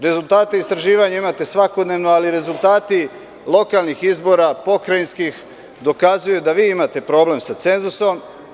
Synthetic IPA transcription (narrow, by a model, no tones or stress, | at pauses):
ɾe̞zulˠt̪aːt̪eist̪ɾaʒiːʋaɲaimat̪e̞sʋako̞d̪ne̞ːʋnoaliɾe̞zulˠt̪aːt̪i | lo̞kalnixizbo̞ɾapo̞kɾainskix | d̪o̞kazujud̪aʋiːimat̪e̞pɾo̞ːble̞msat̪se̞nzuso̞m